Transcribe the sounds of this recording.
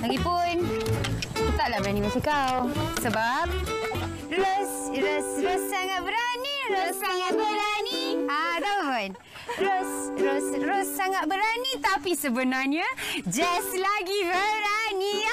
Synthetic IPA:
laɡipʊn | kit̪aʔlabəɾanimasikawsəbap̚ | rosɾosɾosːaŋat̪̚bəɾaniɾosaŋat̪̚bəɾaniaɾəvən | rosrosrosːaŋat̪̚bəɾanit̪apisəbənarɲad͡ʒɛslaɡibəɾani

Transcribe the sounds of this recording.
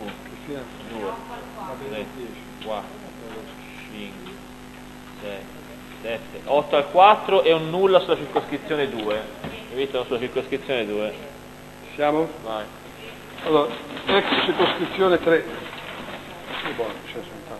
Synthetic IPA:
nkist̪ia | d̪uːe | ɾeɛ̥ | kwat̪ːɾo | t͡ʃiŋkwe | sɛt̪ːe | sɛt̪ːeʔɔt̪ːoalkwat̪ːɾoʔɛunːulːasulːat͡ʃirkoskɾit̪sːjoːned̪uːeevist̪anosulat͡ʃirkoskɾit̪sːjoːned̪uːe | sjaːmovaj | alːoːɾaɛkst͡ʃiɾkoskɾit̪sːjoːnet̪ɾe | ebɔnt͡ʃɛsunt̪a

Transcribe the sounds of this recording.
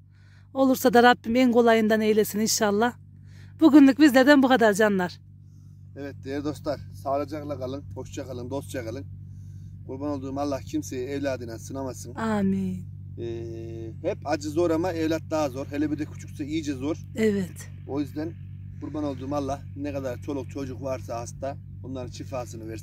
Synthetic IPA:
o̞lˠuɾsad̪aɾabːimɛnkʰo̞lˠajɯnd̪anejlʲesininʃalˠːah | b̥uɡʲynlʲˠyk̚cbizlʲeɾd̪ɛnbukʰad̪aɾd͡ʒanlˠaɾ̥ | ɛvɛt̪̚d̪eɛɾd̪o̞slˠaɾsaːlˠad͡ʒaklˠakʰalˠɯnho̞ʃd͡ʒakʰalˠɯnd̪osd͡ʒakʰalˠɯn | uɾbanolˠd̪uɾmalˠːahcʰimsejɛevlʲaːd̪ɯnasɯnamasɯŋaminː | hɛpʰad͡ʒɯzo̞ɾamaevlʲat̪̚d̪aːazo̞ɾɦelɛbiɾd̪ɛkʰu̥t͡ʃʰu̥ksaijid͡ʒɛzoɾ | ɛvɛt̪ | ojyzd̪ɛn | ɡuɾbanolˠd̪uɾmalˠːahnɛkʰad̪aɾt͡ʃʰo̞lˠuq̚t͡ʃʰo̞d͡ʒuqvaɾsaast̪a | onlˠaɾɯnt͡ʃʰifaːsɯnɯvɛɾs

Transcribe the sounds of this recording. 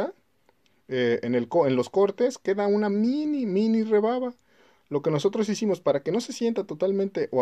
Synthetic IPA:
a | eenelkoenlo̞sko̞ɾt̪e̞ske̞ðaunaminimĩnire̞βaβa | lo̞ke̞no̞so̞t̪ɾo̞sisimo̞spaɾake̞no̞se̞sje̞nt̪at̪o̞t̪almẽnt̪e̞ʔo

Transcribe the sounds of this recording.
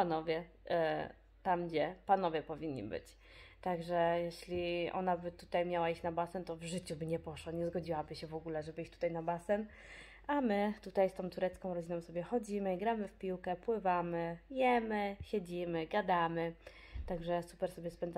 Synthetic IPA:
panɔvʲjɛ | t̪amd͡ʑɛpan̪ɔvʲjɛpɔvʲiɲːḭbɘ̰t͡ɕ | t̪aɡʐɛjɛɕlʲiʔɔ̰n̪abɘt̪ut̪ajmʲjawaiɕt͡ɕʲnabasɛnt̪ɔvʐɘt͡ɕubɘɲɛpɔʂwaɲɛzɡɔd͡ʑiwabɘɕɛvɔɡulɛʐɛbɘit͡ɕt̪u̥t̪ajnabasɛn | amɘt̪ut̪ajst̪ɔ̃t̪uɾɛt̪skɔ̃w̃ɾɔd͡ʑinɔ̃w̃sɔbʲjɛxɔd͡ʑimɘiɡɾamɘfpʲiwkɛpwɘvamɘjɛmɘɕɛd͡ʑimɘɡad̪amɘ | t̪aɡʐɛsu̥pɛɾsɔbʲjɛspɛnd̪za

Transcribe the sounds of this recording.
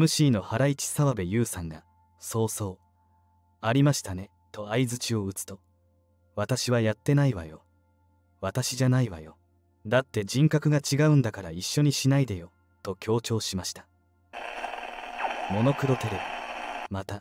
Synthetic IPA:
mɯ̟ɕiːno̞haɾait͡ɕi̥saβabe̞jɯ̟ːsãŋɡa | so̞ːso̞ː | aɾʲimaɕi̥t̪ane̞ | t̪o̞aizɨt͡ɕio̞ɯ̟t͡sɨ̥t̪o̞ | β̞at̪aɕiβajat̪ːe̞naiβa̰jo̞̰ | βat̪aɕiʑanaiβa̰jo̞ | d̪at̪ːe̞d͡ʑĩŋkakɯ̟ɡat͡ɕiɡaɯ̟̃nd̪akaɾaiɕːo̞ɲ̟iɕinaid̪ejo̞ | t̪o̞kʲʰo̞ːt͡ɕo̞ːɕimaɕi̥t̪ḁ | mo̞no̞kɯ̟ɾo̞t̪e̞ɾe̞bimat̪a

